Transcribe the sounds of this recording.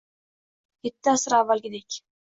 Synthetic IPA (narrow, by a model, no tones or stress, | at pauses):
kʲʰet̪ːɪasɪɾavːalɡʲɪd̪ekʲ